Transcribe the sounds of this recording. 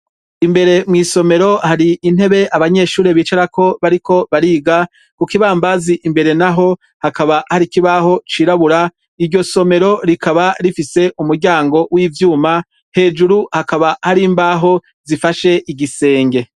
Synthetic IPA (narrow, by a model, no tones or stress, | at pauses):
imbe̞ɾe̞mŋiːso̞me̞ɾo̞haɾiin̥he̞βe̞ʔaβaɲe̞ʃuːɾeβiːt͡ʃaɾakʰo̞βaɾikʰo̞βaɾiːɡa | kukiβaːmbaziʔimbe̞ɾe̞naɦo̞ | hakaβahaɾikiβaɦo̞t͡ʃiːɾaβuɾa | iɾɟo̞so̞me̞ɾo̞ɾikaβaɾifise̞ʔumuɾɟaːŋɡo̞wiːvjuːma | he̞ːd͡ʒuɾuhakaβahaɾiːmbaɦo̞ | zifaʃe̞ʔiɟise̞ːŋɡe̞